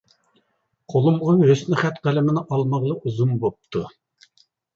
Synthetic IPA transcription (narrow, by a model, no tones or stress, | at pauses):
qʰolˠumʁɑɦøsnɪχæt̪qælɪmɪnɪʔɑlˠmɑʁlˠəʔuzumbop̚t̪ʰu